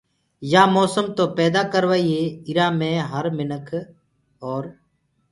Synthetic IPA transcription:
jaːmoːsəmt̪oːpɛːd̪aːkəɾʋaːiːeːɪɾaːmẽːɦəɾmɪnəkʰ | oːɾ

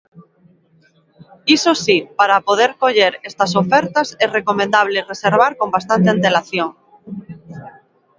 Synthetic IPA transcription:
isosipaɾapoð̞eɾkoʎeɾest̪asofeɾt̪aserekomẽnd̪aβ̞lereseɾβ̞aɾko̞mbast̪ant̪eãnt̪e̞laθjoŋ

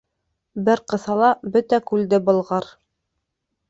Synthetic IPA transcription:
bɘɾqɤ̆θɑlˠɑbɵt̪ækʉld̪ɘbɤ̆lˠʁɑɾ

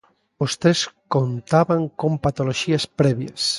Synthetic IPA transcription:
ost̪ɾeskont̪aβaŋkompat̪oloʃiaspɾɛβja̰s

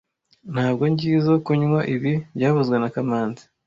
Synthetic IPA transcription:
n̥haːb̚ɡo̞ɲɟiːzokuɲwaʔiβibɟaːβuzɡwenakamaːnzi̥

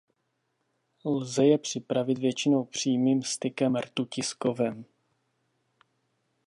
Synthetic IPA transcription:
lzɛjɛpr̝̥ɪpɾavɪt̪vjɛt͡ʃɪno̞wpr̝̥iːmiːmst̪ɪkɛmrt̪ucɪskovɛm

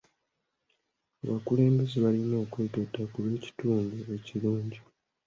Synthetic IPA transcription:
aβakule̞ːmbe̞zeβalino̞ːkwe̞ːketakuβe̞ːci̥tuːŋɡue̞ciluːɲɟi

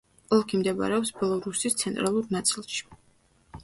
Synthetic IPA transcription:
ɔlˠkʰimd̪ɛba̰ɾɛɔpsbɛlˠɔɾusist̪sʰɛnt̪ʼɾalˠuɾnat̪sʼilˠʃi̥

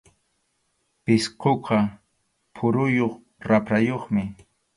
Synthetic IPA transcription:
pɪsqoqɑ | pʰʊɾʊjoχ | ɾapɾajoχmɪ

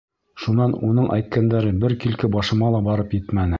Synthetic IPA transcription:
ʃunɑnunɤɴʔæ̰jt̪̚kænd̪æɾɘbɘɾkilkɘbɑʃɤ̆mɑlˠɑbɑɾɤpjɘt̪mænɘ

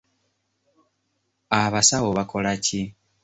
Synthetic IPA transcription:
aβasawoβakʰo̞laci

